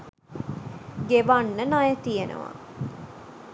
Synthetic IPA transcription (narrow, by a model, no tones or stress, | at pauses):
ɡeʋanːənajət̪ijenə̰ʋa̰